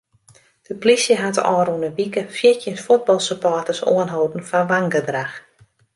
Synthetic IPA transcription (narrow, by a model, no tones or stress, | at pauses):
d̥əplisjəɦatɔ̰ːɾunəʋikəfjɪtjənsfut̚bɑlˠsəpɔːtəso̰ənɦoːdn̩fanʋaŋɡədrax